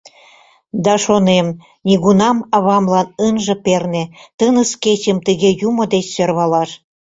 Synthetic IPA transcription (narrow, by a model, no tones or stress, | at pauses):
d̪ɑʃonem | nʲiɣunɑmɑβɑmlɑnənʒɤ̆pernĕt̪ənə̆sket͡ɕəmt̪əɣejumod̪et͡ɕsørβɑlɑʃ